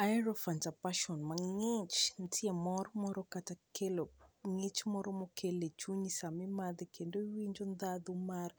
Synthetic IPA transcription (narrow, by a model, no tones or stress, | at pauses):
ajɾɔfand͡ʒapaʃɔnmaŋet͡ʃn̩tʰiemɔɾmɔɾɔkatakʰelopŋet͡ʃmɔɾɔmokʰelet͡ʃuɲisamɪmad̪ɛkendowiɲd͡ʒond̪ad̪umar